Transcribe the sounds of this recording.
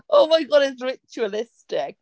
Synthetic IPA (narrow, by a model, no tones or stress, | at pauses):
ʔoʊmaɪɡɒɾɪzɹɪt͡ʃuəlɪstɪk̚